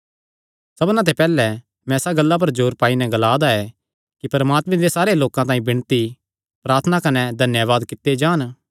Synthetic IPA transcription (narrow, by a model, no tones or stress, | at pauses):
sɐbnãt̪̬epɛːlɛ | mɛ̃saɡɐlːap̬ɐɾd͡ʒoːɾpaːinɛɡɐlaːd̪aɛ | kipɐɾɐmaːt̪mẽd̪esaːɾeloːkãt̪ãːĩbɪ̃ɽ̃t̪i | pɾaːɾt̪ʰənakɐnɛd̪ʱɐnjəʋaːd̪kɪt̪ːed͡ʒaːn